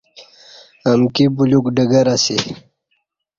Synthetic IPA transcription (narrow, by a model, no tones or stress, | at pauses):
amkibulukɖəɡɐɾasi